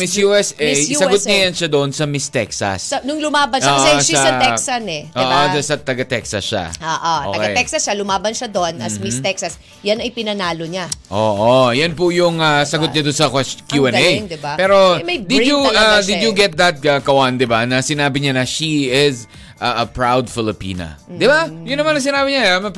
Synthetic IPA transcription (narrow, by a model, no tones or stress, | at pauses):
mɪsjuɛsɛsɐɡot̪̚ɲɐjɐnʃad̪oʔnsɐmɪst̪ɛ̰ksɐ̰sɐnʊŋlʊmaːbɐnaoːsɛsɐɛsɐnɛoːʔoɐsɐt̪ɐɡɐt̪ɛksɐ̰sʃa̰oːʔoto̰ɐkɡɐet̪ɛksɐsʃalʊmaːbɐnʃɐd̪o̞nɐsmɪst̪ɛksɐs | jɐnɐjpɪnɐnaːloɲaʔoʔojɐnpʊjʊŋɐsɐɡot̪̚ɲad̪ʊnsɐkɛkjuɛnejŋd̪ɪbapɛːɾomɐjd̪ɪjʊad̪ɪd͡ʒjʊɡɛt̪̚d̪ɐt̪̚ɐkɐwand̪ɪbanɐsɪnaːbɪɲanɐʃiɪz | ʔɐɐpɹawd̪fɪlɪpḭːnɐ̰d̪ɪbajʊnːɐmanɐŋsɪnaːbɪɲaamɐ